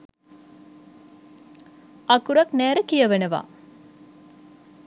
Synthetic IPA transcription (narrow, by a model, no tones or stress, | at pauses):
ɐkuɾɐknæːɾɐkijɐʋenɐʋa̰ː